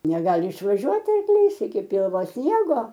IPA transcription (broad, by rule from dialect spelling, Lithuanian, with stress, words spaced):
nʲɛˈɡɑːlʲɪ ɪʃʋɐˈʒʲuɔt ɐrkˈlʲiːs ɪkʲɪ ˈpʲɪlˠʋoː ˈsʲnʲiɛɡoː